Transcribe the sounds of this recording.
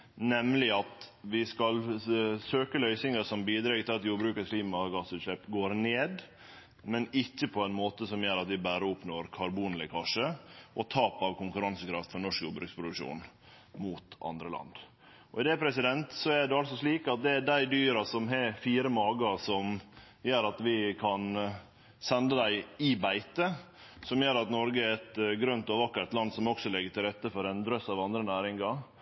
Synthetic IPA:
nɛmlɪɑt̪ʋɪskɑlsøːkəlœʏsɪŋəsɔmbiːd̪ɾɑːɡt̪ʰɪlɑt̪juːɾbɾʉːkəkʰliːmɑɡɑsːʉːt̪ʃɛpɡoːɾneːd̪ | mɛnɪçːəpʰɔɛnmoːt̪əsɔmjøːɾɑt̪ʋɪbæːɾəʊpnoːɾkʰɑɾbuːnlɪkʰɑʂəʔɔt̪ʰɑːpɑʋkʊŋkʉɾɑnsəkʰɾɑft̪fɔɾnɔʂkjuːbɾʉːkspʰɾʊd̪ʉʂṵːn | muːt̪ʔɑ̰nd̪ɾəlɑ̰nd̪ | ʔɔɪd̪ɛpʰɾɛsɪd̪ɛnt̪sɔæɖɛɑlsɔʂliːkɑt̪̚d̪ɛd̪æɪd̪yːɾɑsɔmɦɛfiːɾəmɑːɡɑsɔm | jøːɾɑt̪ʋɪkʰɑn | sɛnd̪əd̪æɪɪbæɪt̪ə | sɔmjøːɾɑt̪nɔɾɡəæɾɛt̪ɡɾœnt̪ɔːʋəʋɑkːəɾt̪lɑnd̪sɔmɔksɔlɛɡːəʈ̪ʰɪlɾɛt̪ːəfɔɾɛnd̪ɾœsɑʋɑnd̪ɾənæːɾɪŋɑ

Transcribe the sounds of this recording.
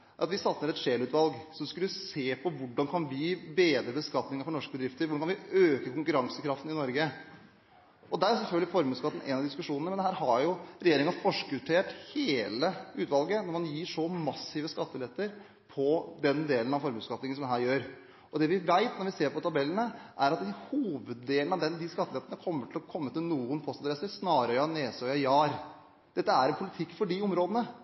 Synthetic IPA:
æɾɑt̪ʋɪsɑt̪nəɾɛt̪ʂeːlʉːt̪ʋɑlɡsɔmskʉlːəseːpʰɔʋʊɖɑnkʰɑnʋɪbeːd̪ɾəbəskɑt̪nɪŋəɾfɔɳɔʂkəbəd̪ɾɪft̪əɾʋʊɖɑnkɑnʋɪøːkəkʰʊŋkʉɾɑŋsəkʰɾɑft̪n̩ɪnɔɾɡə | ɔd̪æɾæɾsɛlfœlɡəlɪfɔɾmʉːskɑt̪ːn̩ʔɛ̰nɑʋd̪ɪskʉʂuːnənəɛnd̪ɛhæːɾɦɑɾjʊɾɛjeːɾɪŋɑfɔʂkəʉt̪ʰeːʈheːləʉːt̪ʋɑlɡənɔɾmɑnjiːʂɔmɑsɪʋəskɑt̪ːəlɛt̪ːəɾ | pʰɔd̪ɛnd̪eːlənɑfɔɾmʉːskɑt̪nɪŋənsɔmɦæːɾjøːɾ | ʔɔd̪ɛʋɪʋæɪt̪nɔɾʋɪseːɾpɔt̪ʰɑbɛlːənəʔæɾɑt̪̚d̪ɪhuːʋəd̪ːeːlənɑʋd̪ɛnd̪ɪskɑt̪ːəlɛt̪ːənəkʰɔmːəʈʰɪlɔkʰɔmːət̪ɪlnuːənpʰɔst̪ɑd̪ɾɛsəɾsnɑːɾəɑneːsœjɑjɑːɾ | d̪̥ɛt̪ːəæɾɛnpʰʊlɪt̪ʰɪkːfɔɖɪʊmɾoːd̪ənə

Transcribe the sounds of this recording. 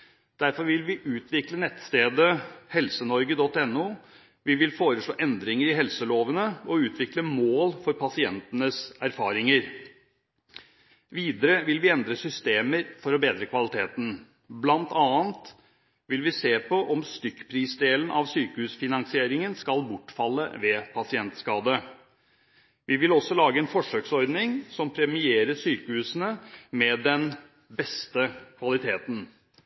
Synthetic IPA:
d̪̥æɾfɔɾʋɪlʋɪʔʉːt̪ʰʋɪklənɛt̪ːst̪eːd̪əhɛlsənɔɾɡəd̪ɔt̪ːɛnːuː | ʋɪʋɪlfoːɾəʂɭo̰ːʔɛnd̪ɾɪŋəɾɪhɛlsəloːʋənəɔʉːt̪ʰʋɪkləmoːlfɔɾpɑsɪɛ̰nt̪ənəsæɾfɑ̰ːɾɪŋəɾ | ʋiːd̪əɾəʋɪlʋɪɛnd̪ɾəsʏst̪eːməɾfɔɾɔbeːd̪ɾəkʰʋɑlɪt̪ʰeːt̪n̩ | blɑnt̪ʰɑːənt̪ | ʋɪlʋɪseːpʰɔʔɔmst̪ʏkːpʰɾiːsd̪eːlənʔɑ̰ʋsyːkəhʉːsfɪnɑŋsɪeːɾɪŋənskɑlbʊʈːfɑlːə̰ʋɛpʰɑsɪɛnt̪skɑːd̪ə | ʋɪʋɪlɔsːɔlɑːɡəɛːnfɔʂøːksɔɾd̪nɪŋsɔmpʰɾɛmɪeːɾəsyːkəhʉːsənəmɛd̪ɛn | bɛst̪əkʰʋɑlɪt̪ʰeːt̪n̩

